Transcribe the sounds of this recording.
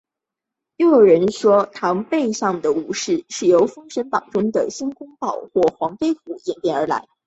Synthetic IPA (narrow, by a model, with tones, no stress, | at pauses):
ɻo˥˩ɻə˧˥nʂwɔ˥t̪ʰɑ˧˥ŋpe˥˧ɪʂɑ˥˩ŋd̪ə˩u˧˥ʂɻ̩˥˩ʂɻ̩˥˩jo˧˥ʊfɤ˥ŋʂə˧˥npɑ˨˩ŋʈ͡ʂʊ˥ŋd̪ə̰˨ɕi˥nkʊ˥ŋpɑ˥˩ʊxwɔ˥˩xwɑ˧˥ŋfe˥ɪfu˧˥˩jɛ˨˩npjɛ˥˩nə˞˧˥la̰˧˥ɪ